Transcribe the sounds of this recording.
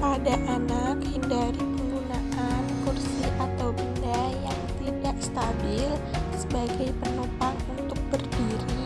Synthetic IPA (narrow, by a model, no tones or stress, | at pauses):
padaʔanakhindaɾiməŋɡunakankursiʔat̪awbindajaŋt̪idakst̪abɪlsəbaɡajpənopaŋunt̪ʊk̚bərdiɾi